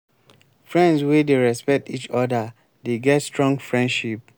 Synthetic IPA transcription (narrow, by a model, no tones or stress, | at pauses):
fɹɛ̃ndswedeɹɛspɛk̚tit͡ʃɔda | deɡɛtstɹɔ̃ŋɡfɹɛ̃ndʃip̚